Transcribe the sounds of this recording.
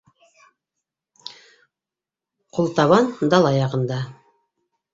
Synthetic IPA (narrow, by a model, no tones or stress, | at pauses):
qʰulˠt̪ɑβɑnd̪ɑlˠɑjɑʁɤ̆nd̪ɑ